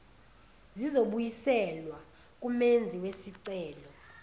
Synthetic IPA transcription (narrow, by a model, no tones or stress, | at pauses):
zizoɓujisɛlwa | k̬ʼumend͡zʱiwesiǀɛːlɔ